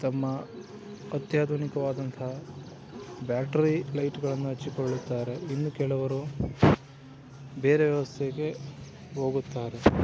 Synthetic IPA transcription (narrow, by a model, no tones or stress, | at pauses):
t̪ɐmːɐː | t̪jaːd̪ʱunikɐʋaːd̪ɐnt̪ʰɐ | baːʈɐɾilɐjʈɡɐɭɐnːuɦɐt͡ʃːikoɭːut̪ːaːɾe̞inːukɛɭɐʋɐɾu | beːɾe̞ʋjɐʋɐst̪ʰeɡe̞ | ɦo̞ːɡut̪ːaːɾe̞